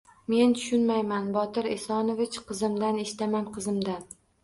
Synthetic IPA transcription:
me̞nt̪ʰʊ̥ʃʊnmajmanbɒt̪ɪɾḛsɒnovɪt͡ʃqʰɨzɪmd̪aneʃɪ̥t̪amanqʰɨzɪmd̪an

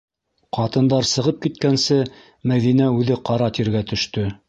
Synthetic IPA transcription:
qɑt̪ɤ̆nd̪ɑɾsɤ̆ʁɤp̚kit̪̚kænsɘ | mæðinæʉðɘqɑɾɑt̪iɾɡæt̪ɵ̆ʃt̪ɵ

